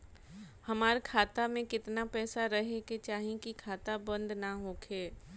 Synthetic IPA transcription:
hɐmaːɾkʰaːt̪amẽkɪt̪napɛːsaɾɐɦeket͡ʃaːɦĩkikʰaːt̪abɐ̃nd̪naɦoːkʰeː

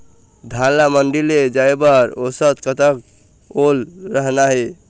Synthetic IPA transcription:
d̪ʱalaməɳɖiled͡ʒaebəɾosət̪kət̪ək | olɾəɦnaɦe

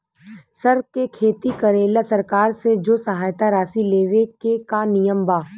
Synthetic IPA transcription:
sɐɾkekʰeːt̪ikɐɾeːlasɐɾkaːɾsed͡ʒoːsɐɦaːjt̪aɾaːsileːʋekekanɪjəmbaː

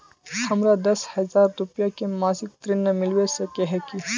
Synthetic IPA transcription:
sɐmɾad̪ɐshɐzaɾɾupjakemasik̚t̪ɾinːəmilʋesəkeɦeki

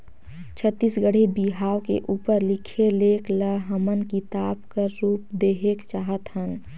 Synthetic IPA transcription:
t͡ʃʰət̪ːiːsɡəɽ̤ibiɦaːʋkḛʔuːpəɾlɪkʰeleːkləɦəmənkit̪aːbkəɾːuːp̚d̪eːɦekt͡ʃaːɦət̪ɦən

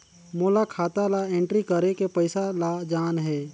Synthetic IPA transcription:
moːlakʰaːt̪alaẽːɳʈɾikəɾekepəɪsalad͡ʒaːnɦɛː

